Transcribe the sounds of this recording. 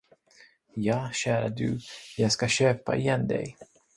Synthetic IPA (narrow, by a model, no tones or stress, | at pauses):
jɑːɕæːɾad̪ɵ̰jɑːɡskaɕøːpa̰ʔɪjɛnd̪ɛ̰j